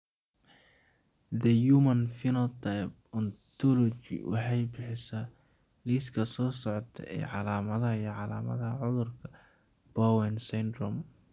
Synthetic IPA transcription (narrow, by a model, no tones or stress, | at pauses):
d̪ɐjumɐnfɪnɐt̪ʰajp̚ɔnt̪ʰɔlɔt͡ʃḭwɑ̰ħɑjbɪħɪsɐniːskʰɐsɔːsɔʕɔt̪ʰɐɛ̰ːʕɑlaːmɐðɐjʕɑlaːmɐ̰ðɐʕʊðʊrkʰɐ | b̥ɔwɛnsɛnd̪rɔm